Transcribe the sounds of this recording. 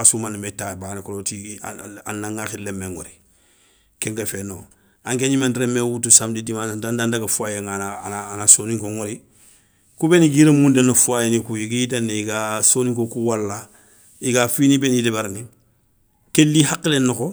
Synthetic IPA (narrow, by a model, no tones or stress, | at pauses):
asumanimetaːbaːnikolotḭa̰nːãŋaxilːemeŋo̰ɾi | kẽŋkefeno̰ː | ãŋkeɲimãntɾemewutusamdidimandandandakafuajeŋananaːnasoːnĩŋkoŋoɾi | kubeniɡiɾemũndenafuajenikujikiiteniikasoːnĩŋkokuwalːa | ikafinibenidebaɾani | kelːihakːilenːoko